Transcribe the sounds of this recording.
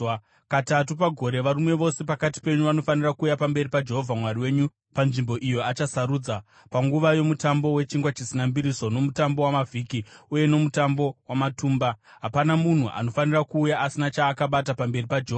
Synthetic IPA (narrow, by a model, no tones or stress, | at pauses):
katatupaɡʱo̞ɾe̞ʋaɾimwe̞ʋo̞se̞pakati̥pe̞ɲuʋano̞fanirakuːjapambe̞ripad͡ʒe̞ɦo̞vʱamwariwe̞ːɲu | panʐimbo̞ʔijo̞at͡ʃasaɾuːd͡za | paŋɡuʋajo̞mutambo̞we̞t͡ʃiŋɡwat͡ʃisinambiɾiso̞no̞mutambo̞wamavʱiːkiuje̞no̞mutambo̞wamatuːmbaɦapanamun̤uʔa̰no̞fanirakuːjaʔːsinat͡ʃaːkaɓatapambe̞ripad͡ʒeɦoa